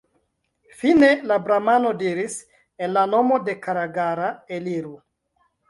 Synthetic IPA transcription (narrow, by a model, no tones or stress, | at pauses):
fine̞labɾamano̞diɾis | enlano̞mo̞de̞kaɾaɡaɾaeliɾu